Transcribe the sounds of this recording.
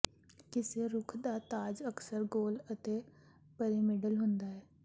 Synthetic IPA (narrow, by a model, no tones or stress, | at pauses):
kɪseɾʊkʰd̪aːt̪aːd͡ʒəksəɾɡoːlət̪eː | pəɾimɪɖəlɦʊ̃nd̪aːɦɛː